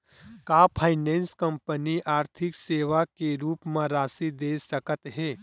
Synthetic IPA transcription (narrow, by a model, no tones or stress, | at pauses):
kaːpʰaːɪnẽːnskə̃mpəniʔaːɾt̪ʰɪkseːʋakeɾuːpmãɾaːsid̪eːsɐkət̪ɦɛː